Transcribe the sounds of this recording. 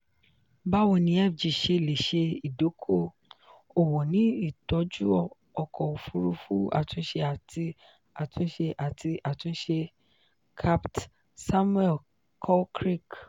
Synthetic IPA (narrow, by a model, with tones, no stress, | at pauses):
ba˦wɔ˧nĩ˦ɛ˦˨fd͡ʒi˨ʃe˧˨le˨ʃe˧i˨do˨˦kʰo˦˨ | o˨wɔ˨nĩ˦i˦˨tɔ˨˦d͡ʒu˦ɔ˧˨ | ɔ˧kɔ˨o˨fu˧ɾu˧fu˦a̰˦˨tũ˧˦ʃe˧a˨ti˧ | a˨tũ˦ʃe˧ʔa˨tʰi˧ʔa˨tũ˧˦ʃe˧ | kʰa˦pt | sa˦mu˦ɛ˦˨ | kʰɔ˦kɾi˦˨k